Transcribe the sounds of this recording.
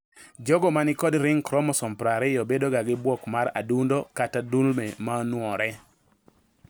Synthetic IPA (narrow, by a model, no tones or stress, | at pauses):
d͡ʒɔɡɔmanɪkɔdɾɪŋkɾɔmɔsɔmpɾaɾɛjobedoɡaɡɪbwɔkmaɾa̰dundokatadulmɛmanwɔɾɛ